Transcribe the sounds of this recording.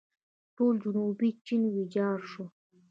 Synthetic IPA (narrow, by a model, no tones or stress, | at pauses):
t̪uld͡ʒunuːbit͡ʃːinwid͡ʒaːɾʂu